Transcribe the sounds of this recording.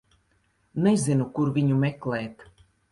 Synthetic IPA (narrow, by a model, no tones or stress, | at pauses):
nɛzʲinukuɾvʲiɲumɛklɛːt̪